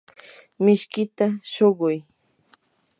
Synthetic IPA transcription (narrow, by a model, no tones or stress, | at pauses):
mɪʃkɪt̪aʃoɢʊj